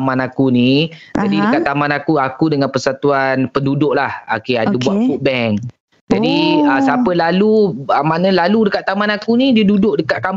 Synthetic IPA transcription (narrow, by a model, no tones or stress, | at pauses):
manakuni | adidəkaʔt̪ːamãnakuakudəŋanpərsat̪uanpəndudʊʔlahokeadəbuaʔ̪fut̪̚bɛŋ | d͡ʒadiəsapəlaluəmanəlaludəkat̪ːamanakunĩdiədudʊʔdəkaʔ̪̚kam